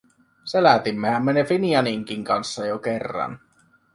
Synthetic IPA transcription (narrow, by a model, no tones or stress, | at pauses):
selæt̪imːehæmːenefiniɑniŋkiŋkɑnsːɑjokerːɑ̰n